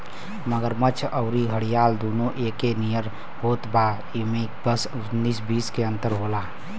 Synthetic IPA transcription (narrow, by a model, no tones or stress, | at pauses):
məɡəɾmət͡ʃʰəʊɾiɦəɽijaːld̪oːnõʔeːkenijəɾ | hoːt̪baː | imekbəs | niːsbiːskeə̃nt̪əɾɦoːlaː